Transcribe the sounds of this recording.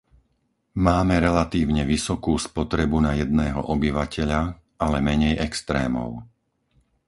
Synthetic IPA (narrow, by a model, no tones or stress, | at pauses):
maːmɛɾɛlat̪iːʊɲɛʋisɔkuːspɔt̪ɾɛbunajɛd̪nɛːɦɔ̰ʔɔbiʋacɛʎa | alɛmɛɲɛjɛkst̪ɾɛ̰ːmɔ̰ʊ